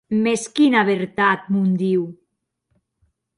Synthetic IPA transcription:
meskinaβeɾt̪at̪̚mund̪iw

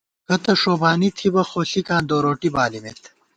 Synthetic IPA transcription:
kɐt̪ɐʂoːbaːnit̪ʰibɐxoːsikãːd̪oːɾoːʈibaːlimet̪ʰ

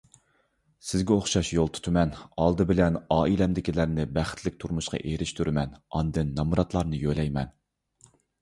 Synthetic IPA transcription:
sɪzɡʲɛoχʃɑʃjolˠt̪ʰu̥t̪ʰɨmɛnɑlˠd̪ɨbɪlɛnɑːilɛmd̪ɪkʲilæɾnɪbæχt̪ʰlɪkʲt̪ʰuɾmuʃqɑ̰ʔeɾɪʃt̪ʰuɾɪmɛnɑnd̪ɨnːɑmuɾɑt̪lˠɑɾnɨjølɛjmɛn

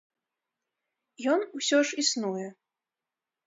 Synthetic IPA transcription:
jɔnusʲɔʂisnujɛ

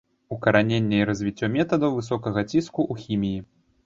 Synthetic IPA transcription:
ukɐɾanʲenʲːɛiɾɐzʲvʲit͡sʲːɔmʲɛt̪ɐd̪ɐwvɨsɔkɐɣɐt͡sʲiskuʔuxʲimʲiji

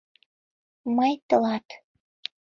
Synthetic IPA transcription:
məjt̪əlɑt̪

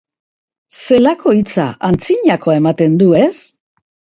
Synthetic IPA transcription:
se̞lako̞it͡sa̰ʔant͡siɲako̞ae̞mat̪e̞nd̪ue̞s

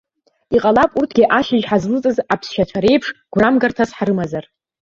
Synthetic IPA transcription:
iqʼalapʼurtʰɡʲiʔaʃɪʒħazlɨt͡sʼɨzapʰsʃat͡ʃʷʰaɾe̞jpʰʂɡ̥ʷramɡartʰasħaɾɨmazar

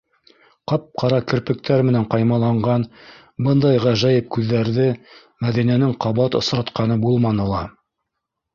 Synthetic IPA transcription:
qɑp̚qɑɾɑkɘ̆ɾpɘ̆k̚t̪ʰæɾmɘ̆næɴqɑjmɑlˠɑɴɢɑn | bɤnd̪ɑjʁɑʒæjɘp̚kʉðːæɾðɘ | mæðinænɘŋqɑβɑt̪ŏsɾɑt̪qɑnɤbulˠmɑnɤ̆lˠɑ

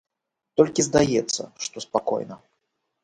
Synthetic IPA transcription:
t̪ɔlʲkʲizd̪ajɛt̪sːɐ̰ʂt̪ɔspakɔ̰jnɐ

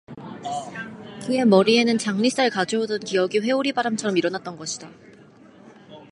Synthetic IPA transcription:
kɯe̞mʌɾie̞nɯnt͡ɕaŋɲis͈aɭkad͡ʑoɦodʌnkijʌɡiɸwe̞uɾibaɾamt͡ɕʰʌɾʌmiɾʌnat̚t͈ʌnɡʌɕʰi̥da

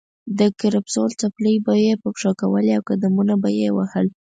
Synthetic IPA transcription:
d̪əkaɾapsolt͡sapləjbajepəpʂɑkawəleawkad̪amunabajewa̰həl

